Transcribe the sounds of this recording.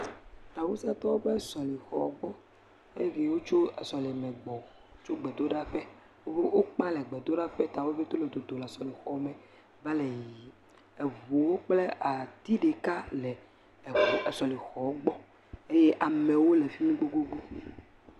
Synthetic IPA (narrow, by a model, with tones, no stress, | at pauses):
t̪a˨wu˦si˦a˦t̪ɔ˦wo˦ɸɛ˦sɔ˨li˨xɔ˨˦ɡ͡bɔ˦ | e˦je˦vi˦wo˦t͡ʃo˦ɛ˨sɔ˨le˨mɛ̃˨ɡ͡bɔ˨ | o˦t͡ʃo˦ɡ͡bɛ˨d̪o˦ɖa˦ɸɛ˦ | wo˦e˦wo˦k͡pã˦lɛ˨ɡ͡bɛ˨d̪o˦ɖa˦ɸɛ˦t̪a˨wo˦vi˦t̪o˦le˨d̪o˨d̪o˨la˨sɔ˨le˨xɔ˨˦mɛ̃˨ | vɛ˦le˨ji˨ | ɛ˨vo˨wo˦k͡plɛ˦a˨t̪i˦ɖe˨ka˦lɛ˨ | ɛ˨sɔ˨li˨xɔ˨˦ɡ͡bɔ˦ | e˦je˦ʔa˨mɛ˨wo˦le˨fi˦mĩ˦ɡ͡bo˦ɡo˦ɡ͡bo˦